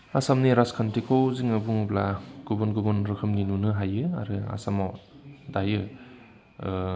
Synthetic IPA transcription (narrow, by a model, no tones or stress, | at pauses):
asamniɾaskʰantʰikʰowziŋɯbuŋuplaɡ̥ubɔnɡubɔnɾɯkʰɯmninunɯɦajɯa̰ɾɯa̰samawdajɯ